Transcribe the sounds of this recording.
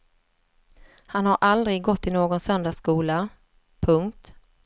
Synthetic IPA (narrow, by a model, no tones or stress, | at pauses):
hanhaɾʔald̪ɾɪɡɡɔt̪ʰːɪlnoːɡɔnsœnd̪askuːla | pʰɵŋkt̪